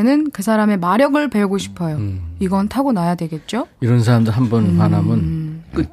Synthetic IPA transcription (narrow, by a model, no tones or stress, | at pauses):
nɯnkɯsʰaɾame̞maɾjʌɡɯɭpe̞uɡoɕʰi̥pʰʌjoiɡʌntʰaɡonajadwe̞ɡe̞t̚t͡ɕ͈oiɾʌnsʰaɾamdɯɭɦambunmanamɯnk͈ɯ